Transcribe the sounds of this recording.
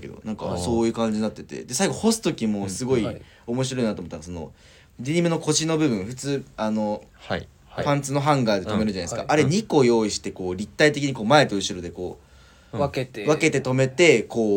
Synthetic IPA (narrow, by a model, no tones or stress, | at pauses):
ke̞d̪o̰nãŋka̰so̞ːjɯ̟kãɲ̟d͡ʑiɲnːat̪ːe̞t̪e̞̰d̪e̞saiɡo̞ho̞sɨ̥t̪o̞kʲimoːsɨɡo̞i | o̞mo̞ɕ̬iɾo̞inat̪omot̪ːaɡasono̞̰ | ɾʲiɲ̟ʲimɯ̟noko̞ɕino̞bɯ̟bɯ̟̃ɰ̃ɸɯ̟t͡sɨːano̞ | pãnt͡sɨno̞ɦãŋɡaːd̪e̞t̪o̞me̞ɾɯ̟d͡ʑanaesɨ̥kaʔaɾe̞ɲ̟iko̞jo̞ːiɕi̥t̪e̞koːɾʲit̪ːait̪e̞kʲiɲ̟iko̞ːmae̞t̪o̞ɯ̟ɕiɾo̞d̪e̞ko̞̰ː | βakke̞t̪e̞t̪o̞me̞t̪e̞ko̞ː